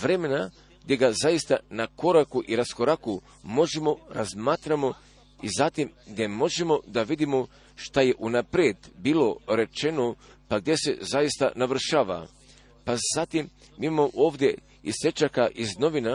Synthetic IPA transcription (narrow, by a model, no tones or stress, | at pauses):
ʋɾe̞me̞na | ɡ̥d̪ʲje̞ɡazajist̪anako̞ɾakuʔiɾasko̞ɾaku | mo̞ʒemo̞ɾazmaːt̪ɾamo̞ | izat̪imɡd̪je̞mo̞ʒemo̞d̪aʋid̪imo | ʃt̪aje̞ʔunapɾjed̪biːlo̞ɾe̞t͡ʃe̞no | paɡd̪ʲje̞se̞̰zajist̪a̰naʋr̩ʃaːʋa̰ | paz̥at̪im | mimamoʔoːʋd̪je̞ | ise̞t͡ʃakaʔizno̞ʋina